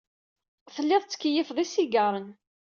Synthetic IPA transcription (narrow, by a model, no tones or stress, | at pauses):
θəlːɪðˤt͡sːə̥kːəjəfðˤisiɡəɾˤən